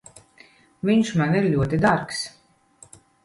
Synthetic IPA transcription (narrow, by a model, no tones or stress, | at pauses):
vʲiɲʃmaniɾʎʲuɔt̪id̪aɾks